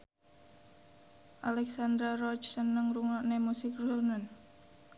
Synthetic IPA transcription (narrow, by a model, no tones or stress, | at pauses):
ʔalɛksand̪ɾarɔt͡ʃsənəŋruŋɔʔnemusɪkrusunən